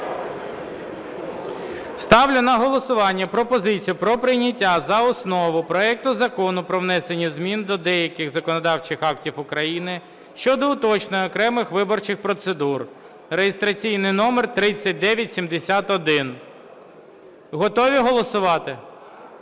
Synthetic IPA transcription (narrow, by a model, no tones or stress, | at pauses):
st̪ɑwlʲʊnɐɦɔlˠɔsʊʋɑnʲːɐpɾɔpɔzɪt͡sʲijʊpɾɔpɾɪjnʲɐtʲːazɐɔsnɔʋʊpɾɔɛk̚t̪ʊzɐkɔnʊpɾɔʋnɛsenʲːizmʲind̪ɔd̪ɛjɐkɪxzɐkɔnɔd̪ɑwt͡ʃɪxɑktʲiwʊkɾɐjinɪ | ʃt͡ʃɔd̪ɔʊt̪ɔt͡ʃnɔjɔkɾɛmɪxʋɪbɔrt͡ʃɪxpɾɔt̪sed̪ur | rejest̪ɾɐt͡sʲijnɪjnɔmert̪ɾɪt͡sʲːɐt̚ʲd̪ɛʋʲjɐtʲsʲimd̪esʲat̪ɔd̪ɪn | ɦɔt̪ɔʋʲiɦɔlˠɔsʊʋɑt̪ɪ